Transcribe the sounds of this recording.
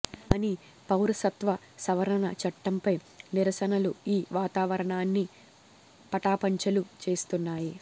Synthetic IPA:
ɐni | pɐwɾɐsɐt̪ʋɐ | sɐʋɐɾɐnɐt͡ʃɐʈːɐmpɐj | niɾɐsɐnɐluiːʋaːt̪aːʋɐɾɐɳaːnːi | pɐʈaːpɐɲt͡ʃɐlut͡ʃe̞ːst̪unːaːji

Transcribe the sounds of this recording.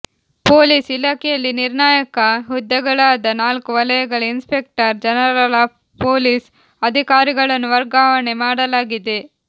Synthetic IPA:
poːliːsilaːkɛjɐlːiniɾɳaːjɐkɐɦud̪ːɐɡɐɭaːd̪ɐnaːlkuʋɐlɐjɐɡɐɭɐinspek̚ʈɐɾd͡ʒɐnɐɾɾɐlaː | poːlis | ɐd̪ʱikaːɾiɡɐɭɐnːuʋɐɾɡaːʋɐɳemaːɽɐlaːɡid̪e

